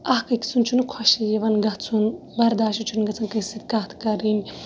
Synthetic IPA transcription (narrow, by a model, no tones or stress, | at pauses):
ɐɦkɐki̥t͡sunt͡ʃʰunkʰɔʃijeʋɐnɡɐt͡sʰun | bɐɾd̪aːʃut͡ʃʰunɡɐt͡sʰɐnkɐsit̪̚kaːt̪ʰkɐɾinʲ